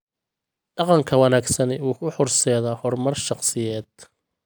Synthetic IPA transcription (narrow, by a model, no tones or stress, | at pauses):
ɖ̥ɑqɑŋkʰɐwɑnaːɡsɐnɛuːkʰʊħɔrsɛːðɐhɔrmɐrʃɑqsɪjɛːd̪̥̚